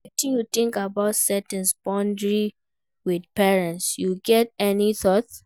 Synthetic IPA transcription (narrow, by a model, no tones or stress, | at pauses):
k̚tĩnjuθĩŋkabaʊtsɛtɛ̃nsbɔ̃ndɹi | widpɛɹɛ̃ntsjuɡɛt̚ɛniθɔt